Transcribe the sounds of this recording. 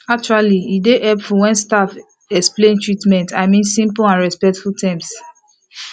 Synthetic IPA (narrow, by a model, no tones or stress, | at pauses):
ak̚t͡ʃualiideʔɛpfɔwɛ̃nstaf | ɛksplẽntɹitmɛ̃ntʰaɪmĩnsĩmpãnɹɛspɛk̚tfultʰãms